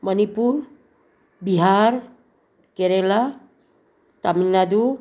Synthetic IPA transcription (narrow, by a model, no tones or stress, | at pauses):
mənipuɾ | biɦaɾ | keɾela | t̪aminad̪u